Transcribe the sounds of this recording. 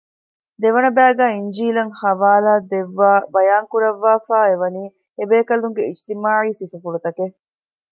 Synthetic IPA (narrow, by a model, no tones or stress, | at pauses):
d̪eʋɐnɐbæːɡæːiɲd͡ʒiːlɐŋhɐʋaːlaːd̪eʋːaːbɐjaːŋkuɾɐʋːaːfaːeʋɐniː | ebeːkɐluŋɡeid͡ʒt̪imaːʕiːsifufuɽut̪ɐke